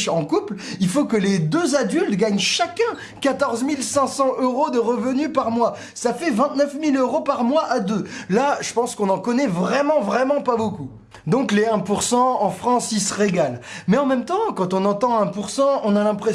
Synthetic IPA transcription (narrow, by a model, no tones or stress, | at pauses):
ʃɑ̃kuplilfokəled̪øzad̪ylt̪ɡaɲʃakʲɛ̃ | kat̪ɔʁzmilsɛ̃sɑ̃ʔøʁod̪əʁəvənypaʁmwa | safɛvɛ̃t̪nœfmiløʁopaʁmwaʔad̪ølaʒəpɑ̃skɔ̃nɑ̃kɔnɛvʁɛmɑ̃vʁɛmɑ̃paboku | d̪ɔ̃kleɛ̃puʁsɑ̃ɑ̃fχɑ̃silsəʁeɡalmɛɑ̃mɛmt̪ɑ̃kɑ̃t̪ɔ̃nɑ̃t̪ɑ̃ɛ̃puʁsɑ̃ɔ̃nalɛ̃pχe